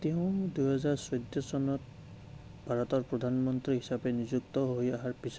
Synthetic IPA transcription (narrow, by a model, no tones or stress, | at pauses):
t̪ɛʊ̃d̪ujɦɛzaɹsɔjd̪jɔsɔnɔt̪̚ | bʱaɹɔt̪ɔɹpɹɔd̪ʱanmɔnt̪ɾiɦisabenizuk̚t̪ɔɦojaɦaɹpis